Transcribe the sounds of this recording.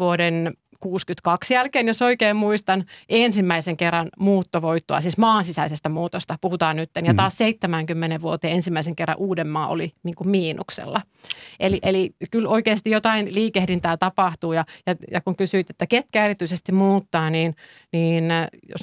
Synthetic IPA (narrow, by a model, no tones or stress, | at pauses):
uoden | kuːskyt̪kɑksjælkeːnjosoikeːmmuist̪ɑnensimːæiseŋkerːɑnmuːt̪ːoʋoit̪ːoɑ̰siːsmɑːnsisæisest̪æmuːt̪ost̪ɑpuhut̪ɑːnnyt̪ːenjɑt̪ɑːsseit̪ːemæŋkymːeneʋʋuot̪eːensimːæiseŋkerːɑ̰ʔuːdemːɑːʔo̰liniːŋkummiːnuksḛlːɑ | ʔeliʔelikyloikeːst̪ijjot̪ɑinliːkehɾint̪æːt̪ɑpɑht̪uːjɑjɑjɑkuŋkysyˑit̪et̪ːæket̪̚kæerit̪yisest̪immuːt̪ːɑːniːn | niːnjo̰s